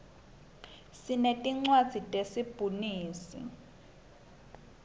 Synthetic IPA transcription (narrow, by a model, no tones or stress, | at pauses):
sinetʼiŋ͡ǀwad̥z̥ʱitʼesib̥ʱuniːsḭ